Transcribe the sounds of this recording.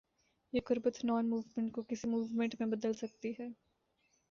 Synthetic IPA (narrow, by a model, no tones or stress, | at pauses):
jeːqʊɾbət̪nɔːnmuːʋmẽɳʈ̚kokɪsimuːʋmɛ̃ɳʈmẽbɐd̪əlsɐk̚t̪iɦɛː